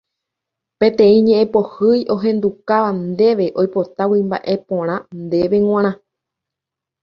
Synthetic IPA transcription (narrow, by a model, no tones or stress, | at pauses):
pẽ̞t̪ẽ̞ĩɲẽ̞ʔẽpo̞hɨjʔo̞ɦẽ̞nd̪ukaʋand̪e̞ʋe̞ʔo̞jpo̞t̪awimba̰ʔe̞põ̞ɾ̃ãnd̪e̞ʋe̞ŋ̃ãɾ̃ã